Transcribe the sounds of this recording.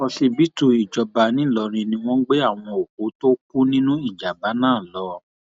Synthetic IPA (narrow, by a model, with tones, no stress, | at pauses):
ɔ˧si˧bi˦tu˧˨i˨d͡ʒɔ˧ba˧nĩ˨˦˨lɔ˧˦ɾ̃ĩ˧nĩ˧w̃ɔ̃˦ɡ͡be˦a˦˨w̃ɔ̃˧o˨ko˨˦to˦k̚u˦nĩ˦nũ˦i˦˨d͡ʒa˨ba˨˦nãː˦˨lɔ˨˦